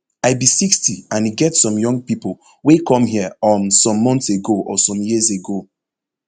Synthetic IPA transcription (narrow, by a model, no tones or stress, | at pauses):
aɪbisikstʰiãniɡɛtsɔ̃mjɔ̃ŋɡ̚pipol | wekɔ̃mɦiəɔ̃nsɔ̃mːɔ̃ntseɡoʔɔsɔ̃mjizeɡo